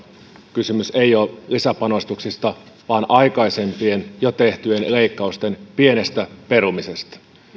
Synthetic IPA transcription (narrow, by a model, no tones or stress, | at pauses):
kysymyse̞jo̞ːlisæpɑno̞st̪uksist̪ɑ | ʋɑːnʔɑjkɑjse̞mpie̞njot̪e̞ht̪yenle̞jkːɑust̪e̞npie̞ne̞st̪æpe̞ɾumise̞st̪ɑ̥